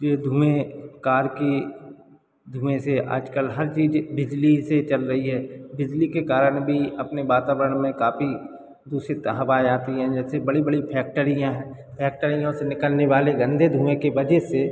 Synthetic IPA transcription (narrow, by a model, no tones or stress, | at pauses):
jeːd̪ʱuːẽkaːɾki | d̪ʱuːẽseʔa̰ːd͡ʒkəlɦɐɾt͡ʃiːd͡ʒbɪd͡ʒliset͡ʃɐlɾɐɦiɦɛːbɪd͡ʒlikekaːɾəɽ̃bʱiɐpnibaːt̪aːʋəɾəɽ̃mẽkaːpi | d̪uːsit̪ɦɐʋaːjaːt̪iɦɛ̃d͡ʒɛːsebɐɽibəɽipʰɛːk̚ʈəɾijãɦɛ̃ː | pʰɛːk̚ʈəɾɪjõsenɪkəlneʋaːleɡə̃nd̪ʱed̪ʱuːmẽkebɐd͡ʒese